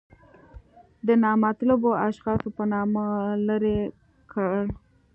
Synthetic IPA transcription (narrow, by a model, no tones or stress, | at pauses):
d̪ənɑmat̪laboaʃxɑsopənɑmaləɾe | kʰ